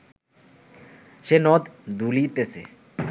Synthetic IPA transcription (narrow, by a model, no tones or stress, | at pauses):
ʃenɔt̪d̪ulit̪esʰḛ